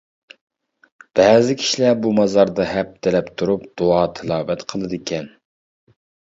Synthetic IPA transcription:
b̥ɛːzɪkʲʰi̥ʃlæbumɑzɑɾd̪ɑhɛp̚t̪ʰɪlɛpt̪ʰuɾupd̪̥uɑːt̪ʰɪlˠɑːvɛt̪qʰəlˠɨd̪ɨkʲʰɛn

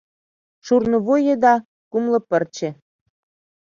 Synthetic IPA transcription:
ʃurnŏβojĕd̪ɑ | kumlɤ̆pə̆rt͡ɕĕ

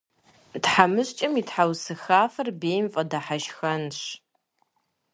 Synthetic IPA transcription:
d̥ħamɨɕt͡ʃʼɐmitħawsɨxaːfɐrbeːjmfʼɐdaħaʃxɐnɕ

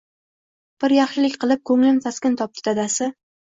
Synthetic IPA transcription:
b̥ɪɾjɑχʃɪlɪkʲqɨlˠɪp̚kʰɵŋlɪnt̪ʰaskʲɪnt̪ʰɒp̚t̪ad̪asɪ

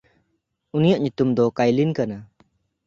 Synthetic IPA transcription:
unijaʔ̚ɲut̪umd̪ɔkajlinkana

